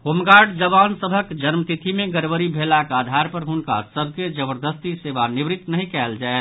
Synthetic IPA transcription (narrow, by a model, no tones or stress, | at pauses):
ɦomɡaɾɖd͡ʒəbansəbʱəkkd͡ʒənmt̪it̪ʰimẽɡəɾʋəɾibʱelakad̪ʱaɾpəɾɦunka̰səbʱked͡ʒəbəɾd̪əst̪iseʋanibɾɪt̪nəɦĩkɛld͡ʒae